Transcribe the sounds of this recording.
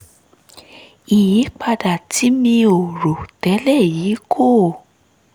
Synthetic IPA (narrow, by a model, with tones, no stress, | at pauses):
i˨jĩ˨˦k͡pa˧da˨ti˨˦mĩ˧o˨ɾo˨tɛ˨˦lɛ˦˨ji˨˦kʰo˦˨